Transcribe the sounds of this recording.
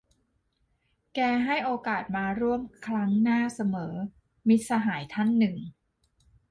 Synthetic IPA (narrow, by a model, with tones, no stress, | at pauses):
kɛː˧ɦa˥˩jʔoː˧kaː˨˩t̪̚maː˧ɾu˥˩əmkʰɾa˦˥ŋnaː˥˩sa˧mɤː˩˦ | mi˦˥t̪̚sa˧ɦaː˩˦jt̪ʰa˥˩nːɯ˨˩ŋ